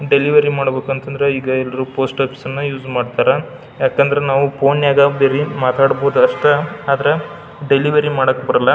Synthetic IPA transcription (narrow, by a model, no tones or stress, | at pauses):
ɖeliʋɐɾimaːɽbe̞ːkuɐnt̪ɐnd̪ɐɾeiːɡɐɛlːɐɾupo̞ːsʈaːpi̥sɐnːɐjuːd͡ʒmaːɖt̪aːɾɐ | jaːkeɐnd̪ɐɾenaːʋupʰoːnjaːɡabeɾimaːt̪aːɽboːd̪uɐʂʈɐaːd̪ɐɾe | ɖeliʋɐɾimaːɽɐkːebɐɾɐlːɐ